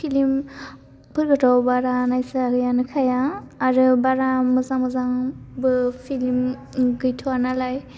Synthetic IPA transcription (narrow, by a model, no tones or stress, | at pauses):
pʰilim | pʰɯɾɡɯtʰawbaɾanajsaɡɯjanɯkʰajaːɾɯbaɾamɯzaŋmɯzaŋbɯpʰilim | ɡɯjtʰuanalaj